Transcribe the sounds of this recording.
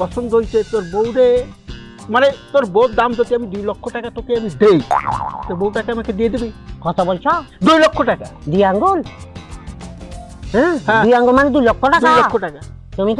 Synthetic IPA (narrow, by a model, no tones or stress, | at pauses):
pɔsɔnd̪ɦojt͡ʃʰet̪oɾbowɾe | manet̪oɾbɔt̪̚d̪amd͡ʒɔt̪iamid̪ujlɔkʰːoʈakat̪okʰeamid̪ejt̪oɾbouʈakamakʰed̪ied̪ebikɔt̪ʰabɔlt͡ʃʰɔd̪ujlɔkʰːoʈakad̪ujaŋɡɔl | ɦɛ̃ɦãujaŋɡɔlmaned̪ujlɔkʰːɔʈad̪alɔkːoʈaka | t̪umik